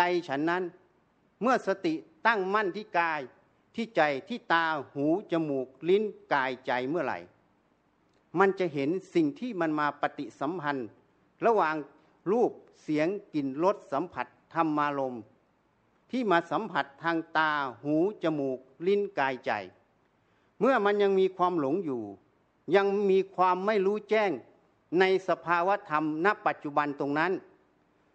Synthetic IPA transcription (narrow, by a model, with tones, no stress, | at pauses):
a˧jt͡ɕʰa˦˥nːa˧˥˨n | mɯ˧˥˩ɐsa˧t̪i˨t̪a˥˩ŋma˧˥˨nt̪ʰiː˧˥˩kaː˧j | t̪ʰiː˧˥˩t͡ɕa˨˩jt̪ʰiː˧˩t̪aː˧huː˨˦t͡ɕa˧mː˨˩k̚li˧˥˨nkaː˨jt͡ɕa˨˩jmɯ˧˥˩ɐla̰˨˩j | ma˧˥˨nt͡ɕa˧˨ɦe˨˦nsi˨˩ŋt̪ʰiː˧˥˨ma˧˨nmaː˧pa˧t̪i˧˨sa˨˦mpʰa˧n | la˧waː˨ŋ | luː˥˩p̚si˨˦əŋki˨˩nlo˧˥t̪̚sa˨˦mpʰa˧˦t̪ʰːa˧mːaː˧lo˧m | t̪ʰiː˧˩maː˧sa˨˦mpʰa˧˦t̪ʰːaː˧ŋt̪aː˧huː˨˦t͡ɕa˧muː˨˩k̚li˧˥˨nkaː˧jt͡ɕa̰˨˩j | mɯ˧˩ɐma˧˥nɲa˧ŋmiː˧kʰwaː˧mlo˨˦ŋjuː˨˩ | ɲa˧ŋmiː˧kʰwaː˧mːa˧˥˩jluː˦˧˥t͡ɕɛː˥˩ŋ | na˧jsa˧pʰaː˧waː˧˥˨t̪ʰa˧mna˧˥pːa˨˩t̪̚t͡ɕu˧ba˧nt̪o˧ŋna˦˧˥n